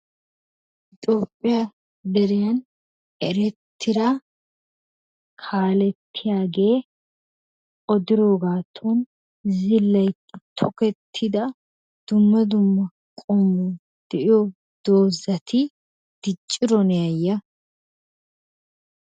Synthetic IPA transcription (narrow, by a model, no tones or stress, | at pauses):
ɪt̪ʼo̞ːpʼːɪjɐ | d̪ɛɾɪjɐn | ɛɾɛt̪ʰːɪɾɐ | kʰaːlɛt̪ːɪjaːɡe̞ː | ʔɔd̪ɪɾoːɡaːt̪ʰːon | zɪlːɐj | t̪ʰɔkɛt̪ʰːɪd̪ɐ | d̪̥ʊmːɐd̪ʊmːɐ | kʼɔmːu | d̪̥ɛʔɪjo | d̪̥oːzɐt̪ʰɪ | d̪̥ɪt͡ʃʼːɪɾɔnɛjɐjːɐ